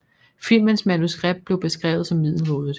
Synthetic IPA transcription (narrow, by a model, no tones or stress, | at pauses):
fil̰mənsmænusɡ̥ʁeb̥̚d̥̚b̥le̝ʊb̥e̝sɡ̥ʁɛ̰ːʊð̩ˠsɒ̽mːið̞̰ˠl̩ɦo̝ːðˠð̩ˠ